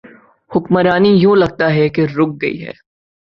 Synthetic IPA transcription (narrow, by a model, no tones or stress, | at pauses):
hʊkməɾaːnijũlɐɡ̚t̪aɦɛkeɾʊk̚ɡɐḭɦɛ̰ː